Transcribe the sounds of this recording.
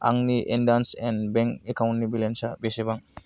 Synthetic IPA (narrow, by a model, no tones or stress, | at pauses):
a̰ŋniʔendansɛnbɛ̃ŋkekawnnibilensabesebaŋ